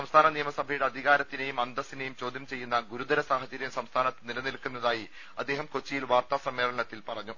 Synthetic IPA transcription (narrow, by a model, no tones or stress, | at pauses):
sɐmst̪ʰaːnɐnijɐmɐsɐbʱɐjuɽeɐd̪ʱiɣaːɾɐt̪ːine̞jumɐnd̪ɐsinejumt͡ɕo̞ːd̪ʱjɐmt͡ɕe̞jːunːɐɡuɾud̪ɐɾɐsaːɦɐd͡ʑɐɾjɐmsɐmst̪ʰaːnɐt̪ːenilɐnilkːunːɐðaːji | ɐd̪ːe̞ːɦɐmko̞t͡ɕːijilʋaːrt̪aːsɐmːeːlɐɳɐt̪ːilpɐrɐɲːu